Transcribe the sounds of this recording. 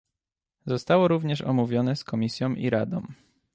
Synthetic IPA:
zɔst̪awɔɾuvɲɛʂɔ̰muvʲjɔnɛskɔmʲisʲjɔ̃w̃ʔiɾad̪ɔ̰̃m̃

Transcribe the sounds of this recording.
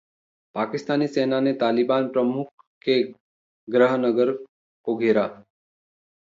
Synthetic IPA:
pakist̪aniːsenanet̪alibanpɾəmuk̚ | ke | ɡɾəɦnəɡəɾ | koɡʱiɾa

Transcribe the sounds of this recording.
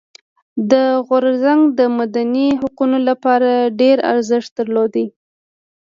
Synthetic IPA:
d̪əɣʊɾzaŋɡd̪əmad̪aniɦaqunolapɑɾaɖeɾa̰ɾzɪʂt̪̚d̪əɾlod̪i

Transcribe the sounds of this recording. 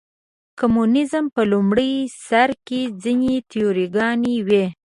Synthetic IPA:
komunɪzmpəlumɽəjsaɾked͡zinet̪ijoɾiɡɑniwe

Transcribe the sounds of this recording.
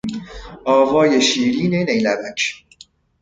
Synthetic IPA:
ɒːvɒːjeʃiːɾiːnenejlæbæt͡ʃʰ

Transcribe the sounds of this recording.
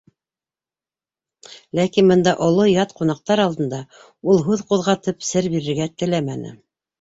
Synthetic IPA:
lækinbɤ̆nd̪ɑʔŏlˠojɑt̪qunɑq̚t̪ɑɾɑlˠd̪ɤ̆nd̪ɑ | ulˠɦʉðquðʁɑt̪ɤpsɘɾbiɾɘ̆ɾɡæt̪ɘ̆læmænɘ̰

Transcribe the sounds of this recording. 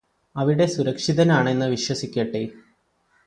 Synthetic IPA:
ɐʋiɽe̞suɾɐkʂiðɐnaːɳe̞nːɨʋiɕwɐsikʲːɐʈːe

